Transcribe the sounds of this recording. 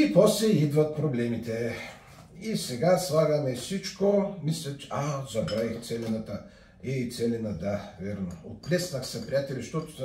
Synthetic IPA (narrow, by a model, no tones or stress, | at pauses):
ipɔslɛid̪vɐt̪̚pɾoblɛmit̪ɛ | isɛɡaslˠaɡɐmɛfsit͡ʃkomislʲɛt͡ʃazɐbɾavixt̪sɛlʲinat̪ə | ɛit̪sɛlʲinəd̪avɛɾnoot̪̚lɛsnɐxsɐpɾʲijat̪ɛlʲiʃt̪ɔt̪ʊ̥s